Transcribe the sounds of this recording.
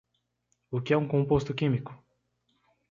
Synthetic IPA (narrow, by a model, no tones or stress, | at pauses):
ukʲɛũŋkõmpost̪ukʲimikʊ̥